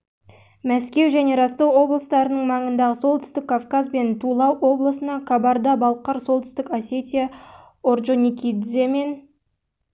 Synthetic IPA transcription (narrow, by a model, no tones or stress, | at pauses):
mæskʲe̞wʒæne̞ɾɑst̪ɑwo̞blˠəst̪ɑɾənəɴmɑɴənd̪ɑʁəso̞lˠt̪ʰʏ̥st̪ɪkʰːafkɑzbe̞nt̪ʰulˠɑwo̞blˠəsənɑkʰabɑɾd̪ɑbɑlˠqɑɾso̞lˠt̪ʰʏ̥st̪ɪkasʲe̞t̪ʲija | oɾʒonʲikʲid̪zeme̞n